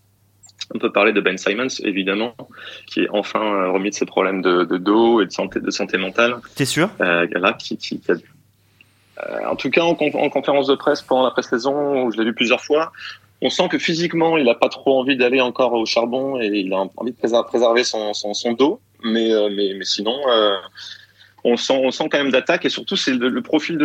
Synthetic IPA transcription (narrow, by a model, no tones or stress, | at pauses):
ɔ̃pøpaʁled̪əbɛnsajmɔnsḛvid̪amɑ̃kʲʰiɛ̰ʔɑ̃fɛ̃øʁəmid̪əsepχɔblɛmd̪əd̪əd̪oed̪əsɑ̃t̪ed̪əsɑ̃t̪emɑ̃t̪alɛsyʁø̰lakʲʰikʲʰikʲia | ɑ̰̃t̪ukaɑ̃kɔ̰̃ɑ̰̃kɔ̃feʁɑ̃sd̪əpχɛspɑ̃d̪ɑ̃lapχesɛzɔ̃uʒəlevyplyzjœʁfwa | ɔ̃sɑ̃kəfizikmɑ̃ilapat̪χoɑ̃vid̪aleɑ̃kɔʁoʃaʁbɔ̃eilãɑ̰̃vid̪əpχepχezɛʁvesɔ̃sɔ̃sɔ̃d̪o | mɛømɛmɛsinɔ̃ø | ɔ̃sɑ̃ɔ̃sɑ̃kɑ̃mɛmd̪at̪akesyʁt̪usɛlələpχɔfild̪ə